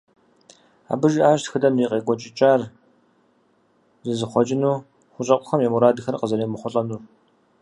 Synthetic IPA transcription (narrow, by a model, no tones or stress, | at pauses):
a̰ːbɨʒʔaːʒtxɨdɐmiːqʼeːkʷʼɔt͡ʃʼɪt͡ʃʼaːr | zɨzɨχʷɔt͡ʃʼɪnuː | χʷʊɕʼɐqʷʼʊxɐmjɛmuɾaːdɨxɐrqəzɐɾeːmɨχʷɔɬʼɐnuː